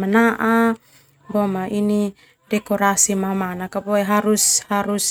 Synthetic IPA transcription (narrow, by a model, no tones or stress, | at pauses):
manaʔa | bomaʔini | dekoɾasimamanakapoeɦaɾushaɾus